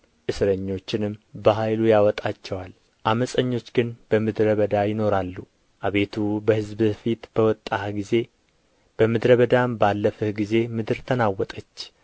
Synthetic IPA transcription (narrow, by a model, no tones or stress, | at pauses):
ʔɨsɾəɲːo̞t͡ʃːɪnɨmbəɦajlujawɔt̪ʼat͡ʃːɛwal | ʔaməsʼəɲːo̞t͡ʃːɡɨnb̥əmɨd̪ɾəβəd̪ajɪno̞ɾalːu | ʔaβe̞t̪ʰubəhɨzbɨfit̪b̥əwɔt̪ʼːahɡize̞ | b̥əmɨd̪ɾəβəd̪ambalːəfəhɡize̞mɨd̪ɨɾt̪ʰənawɔt̪ʼət͡ʃː